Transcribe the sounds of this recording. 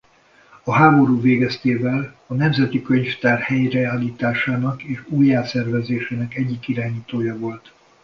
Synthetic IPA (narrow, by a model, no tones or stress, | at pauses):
ɒɦaːbo̞ɾuːveːɡɛst̪eːvɛl | ɒnɛmzɛt̪ikø̞ɲft̪aːrhɛjrɛaːliːt̪aːʃaːnɒkeːʃuːjːaːsɛrvɛzeːʃeːnɛkɛɟːikiɾaːɲiːt̪oːjɒvo̞lt̪